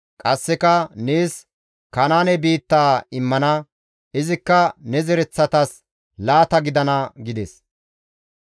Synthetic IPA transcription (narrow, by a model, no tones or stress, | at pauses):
kʼɐsːɛkɐneːs | kɐnaːnɛbiːt̪ːaːɪmːɐnɐ | ɪzɪkːɐnɛzɛɾɛt͡sːɐt̪ɐs | laːt̪ɐɡɪd̪ɐnɐɡɪd̪ɛs